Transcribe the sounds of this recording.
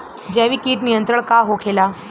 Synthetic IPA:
d͡ʑɛːʋikiːʈnijənt̪ɾəɳ̃kaɦokʰeːla

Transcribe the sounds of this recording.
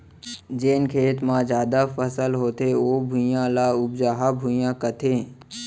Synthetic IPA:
d͡ʒeːnkʰeːt̪mãzjaːd̪afəsəlɦoːt̪eʋoːbʱũjãlaːʊbd͡ʒaːɦabʱujãkət̪ʰeː

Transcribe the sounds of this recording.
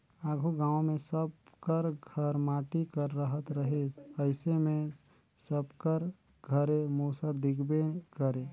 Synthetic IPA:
aːɡʱoɡãːõmẽsəbkəɾɡʱəɾmaːʈikəɾːəɦət̪ɾəɦeəɪsemẽ | səbkəɾ | ɡʱəɾemoːsəɾd̪ɪkʰbekəɾe

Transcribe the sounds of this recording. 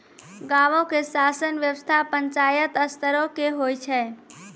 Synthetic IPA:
ɡaʋõkesasənʋjəʋəst̪ʰapəɲt͡ʃajət̪əst̪ʰəɾõkeɦojt͡ʃʰɛ

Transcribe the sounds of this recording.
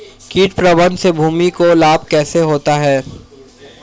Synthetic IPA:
kiːʈpɾɐbənd̪sebʱuːmikolaːb̚kɛːseɦoːt̪aɦɛː

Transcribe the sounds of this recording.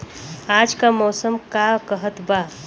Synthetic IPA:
ad͡ʒkamɔːsəmkakəɦət̪ba

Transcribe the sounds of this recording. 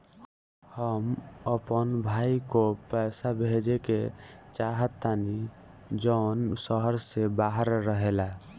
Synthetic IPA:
həməpənbʱaikopəɪsabʱed͡ʒeket͡ʃaɦət̪ːani | d͡ʒənsəɦəɾsebaɦəɾːəɦela

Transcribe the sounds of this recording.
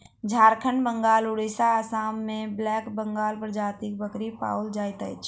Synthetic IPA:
d͡ʒʱaːɾkʰənbəŋɡaːlʊɽisaəsaːmːẽblɛːkbəŋɡaːlpɾəd͡ʒaːt̪ik̚bəkɾipa̰ːuld͡ʒaːjt̪əjt͡ʃʰ

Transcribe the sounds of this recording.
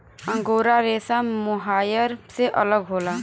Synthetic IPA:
ə̃ŋɡoːɾaɾesamʊɦaːjəɾseʔələɡɦoːla

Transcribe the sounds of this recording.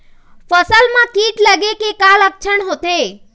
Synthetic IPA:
fəsəlmãkiːʈləɡekekalək̚t͡ʃʰəɳɦot̪e

